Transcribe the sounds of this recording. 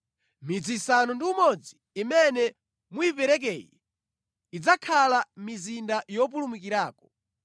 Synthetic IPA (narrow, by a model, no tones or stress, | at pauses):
mid͡zisanɔndiumɔd͡ziːmɛnɛ | muipɛɾɛk̬ɛːji | id͡zakʰalamizindajɔp̬ulumuk̬iɾaːkɔ̥